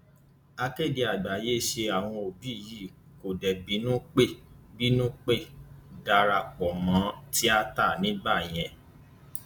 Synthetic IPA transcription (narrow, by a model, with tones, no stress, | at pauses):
a˧ke˦˨de˧a˨ɡ͡ba˨˦je˦˨ʃe˧a˨w̃ɔ̃˧o˨bi˨˦˨ji˦˨ko˨dɛ˨bi˨˦nũ˦k͡pe˦˨bi˦nũ˦k͡pe˦˨da˧ɾa˦˨k͡pɔ˨mã˨˦ti˦a˦ta˦˨nĩ˦ɡ͡ba˦˨j̃ɛ̃˧